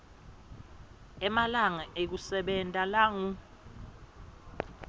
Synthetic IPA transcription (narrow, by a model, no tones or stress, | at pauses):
ɛmalaŋaʔek̬usɛɓɛntʼalaŋu